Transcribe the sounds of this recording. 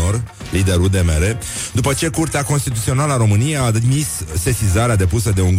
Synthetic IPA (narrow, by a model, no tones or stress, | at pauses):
or | lid̪e̞ɾuld̪e̞meɾe | d̪upət͡ʃe̞kurt̪eako̞nst̪it̪ut̪sio̞naləaɾo̞mɨnijejaːd̪misːe̞sizaɾead̪e̞pusəd̪e̞uŋɡ